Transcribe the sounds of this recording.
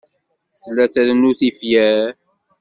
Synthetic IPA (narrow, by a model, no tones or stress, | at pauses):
slːæθæðənːuθifjæɾ